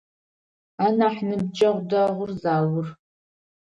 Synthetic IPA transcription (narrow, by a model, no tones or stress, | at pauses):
aːnaːħnɨb̚d͡ʒʼɐʁʷdɐʁʷʊrzaːwʊr